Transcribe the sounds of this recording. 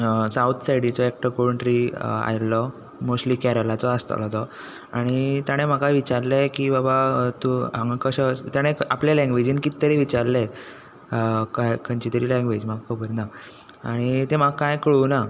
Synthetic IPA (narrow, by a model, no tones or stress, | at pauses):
sawt̪ʰsaiɽit͡sɔek̚ʈəkoɾuɳʈɾia̰jlɔ | mosʈlikɛɾəlat͡sɔəst̪a̰lɔt̪ɔ | aɽ̃it̪jaɽ̃em̤akaʋit͡ɕaɾlekibabat̪ũaŋɡkəɕət̪jaɽ̃eapljalɛ̃ŋɡʋed͡ʑiːnkit̪ːəɾeʋit͡ɕaɾle | kajkənt͡ɕit̪əɾiːlɛ̃ŋɡʋed͡ʑmakkəbəɾna | aɽ̃it̪emaɡkːajkɭuna